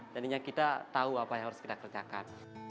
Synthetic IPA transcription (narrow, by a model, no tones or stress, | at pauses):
d͡ʒadiɲakit̪at̪auapajaŋɦaɾʊskit̪akərd͡ʒakan